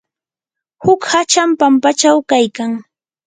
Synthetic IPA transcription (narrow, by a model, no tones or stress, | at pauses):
hʊkhat͡ʃampampat͡ʃawkajkaŋ